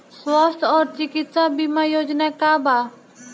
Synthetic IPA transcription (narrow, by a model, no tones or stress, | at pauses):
swɔst̪ɔɾt͡ʃikit̪sabimajod͡ʒnɛkaba